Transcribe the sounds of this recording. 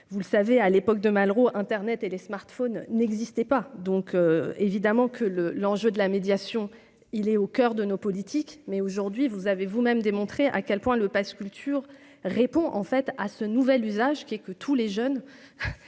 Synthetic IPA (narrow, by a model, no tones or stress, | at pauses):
vuləsavealepɔk̚d̪əmalʁoʔɛ̃t̪ɛʁnɛt̪elesmaʁt̪fonːɛɡzist̪ɛpad̪ɔ̃køevid̪amɑ̃kʰələlɑ̃ʒød̪əlamed̪jasjɔ̃ | ilɛokʲœʁd̪ənopɔlit̪ʰikmɛoʒuʁd̪ɥivuzavevumɛmd̪emɔ̃t̪χeʔa̰kʲɛlpwɛ̃ləpaskʲylt̪yʁ | ʁepɔ̃ʔɑ̰̃fɛt̪asənuvɛlyzaʒkʲiɛkət̪ʰuleʒœn